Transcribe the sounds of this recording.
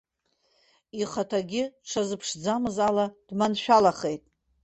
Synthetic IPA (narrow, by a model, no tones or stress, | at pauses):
iχatʰaɡʲɪʈ͡ʂʰazɨpʰʂd͡zamɨzalad̥manʃᶣalaχe̞jtʼ